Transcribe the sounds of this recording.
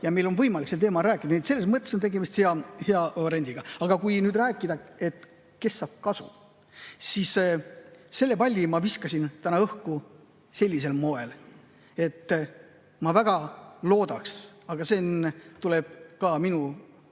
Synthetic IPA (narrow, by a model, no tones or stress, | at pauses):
jɑme̞jlo̞nvɤjmɑliksent̪eːmɑɾæːkːˑid̪ɑniet̪se̞lːe̞smɤt̪ːˑe̞sot̪e̞ɡe̞mist̪heɑheɑeɾenʲd̪iɡ̥ɑɑɡ̥ɑkujnyːd̪ræːkːˑid̪ɑe̞t̪ː | ke̞sːɑːb̥̚kɑsṵ | sis | se̞lːe̞pɑlʲːimɑviskɑsint̪ænɑɤhku | se̞lʲːis̬e̞lmo̞e̞l | e̞t̪ː | mɑvæɡ̥ɑlo̞ːd̪ɑksɑɡ̥ɑsent̪ule̞b̥̚kɑminu